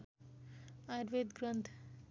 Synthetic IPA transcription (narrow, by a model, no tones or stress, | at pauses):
aɾʋed̪ɡɾʌnt̪ʰ